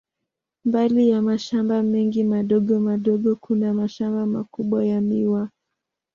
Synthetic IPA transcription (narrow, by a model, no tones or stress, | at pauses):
mbalijamaʃambamɛŋɡimaɗɔɠɔmaɗɔɠɔkʰunamaʃambamakuɓwajamiwa